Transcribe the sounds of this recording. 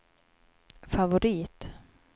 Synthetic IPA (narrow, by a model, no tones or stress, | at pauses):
favʊɾiːt̪